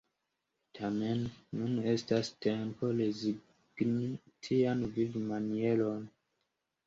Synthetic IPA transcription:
tʰame̞nːunestaste̞mpo̞lezi | ɡ̥ni | tʰianvivimanie̞lon

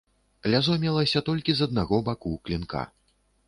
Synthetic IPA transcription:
lʲazɔmʲɛlˠɐsʲɐt̪ɔlʲkʲizɐd̪naɣɔbakuklʲinkʰa̰

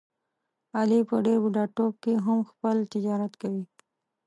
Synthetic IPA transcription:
alipəɖeɾbuɖɑʈob̚keɦamxpəlt̪ɪd͡ʒɑɾat̪kawi

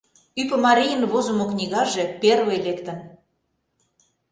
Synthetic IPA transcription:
ypə̆mɑɾʲijə̆nβozŏmoknʲiɣɑʒeperwelekt̪ə̆n

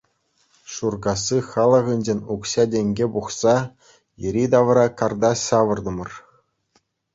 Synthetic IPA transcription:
ʂurɡɑsːɯχɑlˠɤ̆ʁɯ̆nʲd͡ʑenʲukɕɑdʲeŋʲɡʲebuχsɑ | jɘ̆ɾʲid̪ɑʋɤ̆ɾɑkɑrd̪ɑɕɑʋɤ̆rd̪ɤ̆mɤ̆r

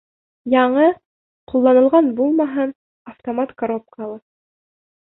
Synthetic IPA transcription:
jɑɴɤ | qulˠːɑnɤ̆lˠʁɑnbulˠmɑɦɤn | ɐft̪omat̪kɐɾop̚kɑlˠɤ

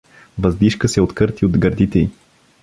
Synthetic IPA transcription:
vɐzd̪iʃkəsɛot̪kɤɾt̪iod̪ɡəɾd̪it̪ɛi

